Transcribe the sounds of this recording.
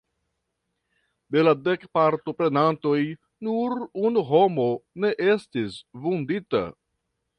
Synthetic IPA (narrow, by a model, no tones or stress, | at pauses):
de̞lade̞kpaɾto̞pɾe̞nanto̞j | nuɾunuɦo̞mo̞ne̞ʔe̞stisvundita̰